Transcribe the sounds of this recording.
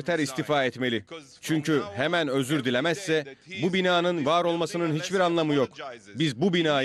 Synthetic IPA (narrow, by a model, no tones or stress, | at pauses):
ɾt̪ʰæɾist̪ʰifaːɛt̪me̞lʲi | t͡ʃʰyɲcyhemænø̞zyɾd̪ilʲemæsːɛbubinaːnɯnvaːɾo̞lˠmasɯnɯnhit͡ʃbiɾanlˠamɯjo̞kbizbubinaː